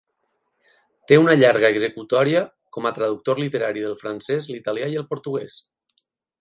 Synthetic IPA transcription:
t̪eunəʎaɾɣəːɡzəkut̪ɔɾiə | kɔmət̪ɾəðuk̚t̪oɾlit̪əɾaɾiðəlˠfɾansɛzlit̪aliaiəlˠpoɾt̪uɣ̞ɛs

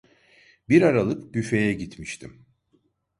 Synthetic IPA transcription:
biɾaɾalˠɯpɟyfe̞jɛɟit̪ʰmiʃt̪ʰḭm

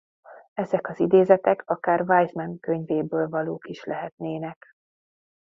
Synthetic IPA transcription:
ɛzɛkɒzid̪eːzɛt̪ɛkɒkaːrvaːjzmɛnkøɲveːbøːlvɒloːkiʃlɛɦɛt̪neːnɛk

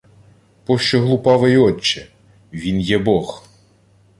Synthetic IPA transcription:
pɔʃt͡ʃɔɦlˠʊpɑʋɪjɔt͡ʃːɛ | ʋʲinjɛbɔx

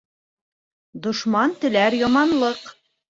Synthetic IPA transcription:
d̪ŏʃmɑnt̪ɘ̆læɾjɒmɑnlˠɤq

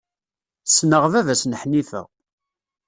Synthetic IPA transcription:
sːnəʁvævæsnħnifə̰

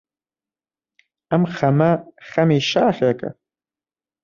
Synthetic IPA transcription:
amχamaχamejʃaːχʲakʼa̰

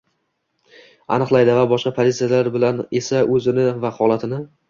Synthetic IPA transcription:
a̰nɨqlˠajd̪ɪvabɒʃqɑpʰozit̪sijalaɾbɪlane̞saʔɵzɪnɪvahɒlˠat̪ʰɪnɪ

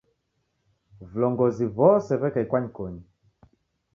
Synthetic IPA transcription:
vlɔŋɡɔzivɔsɛvɛkaikwaɲikɔɲi

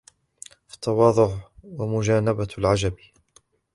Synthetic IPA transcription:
fḁt̪ʰːɑwɑːðˤʊʕwamʊd͡ʒaːnabalʕad͡ʒab

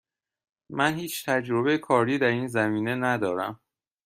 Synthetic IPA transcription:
mænhiːt͡ʃʰt̪ʰæd͡ʒɾoβe̞jekʰɒːɾiːd̪æɾiːnzæmiːne̞næd̪ɒːɾæ̰m

